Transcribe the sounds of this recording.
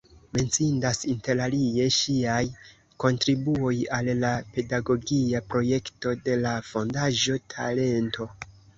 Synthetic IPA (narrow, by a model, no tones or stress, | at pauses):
me̞nt͡sindasinte̞ɾalie̞ʃiaj | ko̞ntɾibuo̞jalːape̞daɡo̞ɡiapɾo̞je̞kto̞de̞lafo̞ndaʒo̞tʰa̰le̞nto̞